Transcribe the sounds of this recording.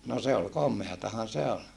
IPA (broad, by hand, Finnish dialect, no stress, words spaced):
no se ol komˑeɑtɑhɑn se ol